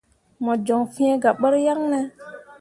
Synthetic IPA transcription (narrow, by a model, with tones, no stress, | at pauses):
mɔ˨d͡ʒɔ˨ŋfi˦e˦ɡa˨ɓə˦ɾja˦ŋnɛ˨